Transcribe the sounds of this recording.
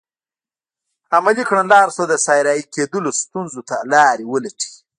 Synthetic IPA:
amalikɳalɑːɾsod̪əsaːjɾaːiked̪əlost̪unzot̪alɑːɾiwəlɐʈi̥

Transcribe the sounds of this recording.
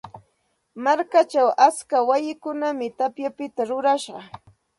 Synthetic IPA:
maɾkat͡ʃawʔat͡skawajɪkʊnamɪt̪apjapɪt̪aɾʊɾaʃɢɑ

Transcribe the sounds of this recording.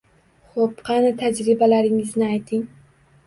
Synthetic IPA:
χopqʰɑnat̪ʰad͡ʒɾɪbalaɾɪŋɪznɪajt̪ʰɪŋ

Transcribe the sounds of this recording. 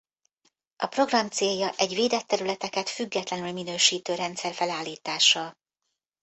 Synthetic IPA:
ʔɒpro̞ɡrɒmt̪seːjːɒʔɛɟveːd̪ɛt̪ːɛɾylɛt̪ɛkɛt̪fyɡːɛt̪lɛnylminøːʃiːt̪øːɾɛnt̪sɛrfɛlaːlːiːt̪aːʃɒ

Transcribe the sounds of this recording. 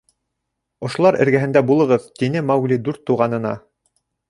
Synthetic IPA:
ŏʃŏlˠɑɾʔɘ̰̆ɾɡæɦɘ̆nd̪æbulˠɤ̆ʁɤðt̪inɘmɑwɡlʲid̪ʉɾt̪ːuʁɑnɤ̆nɑ̰

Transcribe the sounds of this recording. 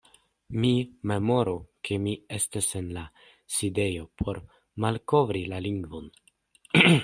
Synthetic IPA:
mime̞mo̞ɾokʰe̞mie̞stase̞nla | side̞jo̞pʰo̞ɾ | malko̞vɾilaliŋɡvo̞n

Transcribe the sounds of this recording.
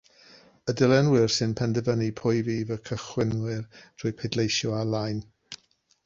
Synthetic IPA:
ədəlˠɛnwɪrsɨnpʰɛndɛvənipʰʊjviːvəkʰəχwɪnwɨrd̥ʰʊːɨjpʰɛdlˠejʃjɔalˠajn

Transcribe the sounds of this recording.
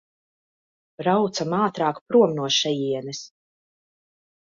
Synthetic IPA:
ɾawt̪samaːt̪ɾaːkpɾuɔmnuɔʃɛjiɛnɛs

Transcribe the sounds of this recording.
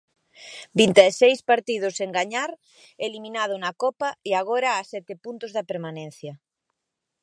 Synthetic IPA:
bint̪eesejspaɾt̪ið̞ʊseŋɡaɲaɾ | elimĩnað̞ʊnakɔpaeaɣoɾaːsɛt̪ɪpunt̪ʊzðɐpeɾmanɛ̃n̟θjɐ

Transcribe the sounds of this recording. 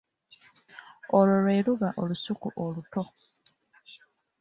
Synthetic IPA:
olo̞lweːluβaʔo̞lusukuʔoluto̞

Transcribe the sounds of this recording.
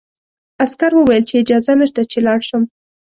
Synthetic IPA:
askaɾwəwajəlt͡ʃeɪd͡ʒɑzanəʃt̪at͡ʃelɑɽʃəm

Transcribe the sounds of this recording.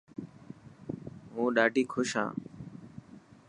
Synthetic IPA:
ɦũːɗaːʈiːkʰʊʃɦã̰ː

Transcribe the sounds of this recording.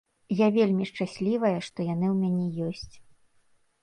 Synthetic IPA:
javʲelʲmʲiʂt͡ʂasʲlʲivɐjɐʂt̪ɔjan̪ɨwmʲanʲɛjɔsʲt͡sʲ

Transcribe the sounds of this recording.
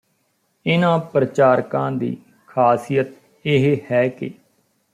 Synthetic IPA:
ɪnãːpɾət͡ʃaːɾkãːd̪ḭː | kʰaːsijət̪̚ | ɪɦehɛːkḛː

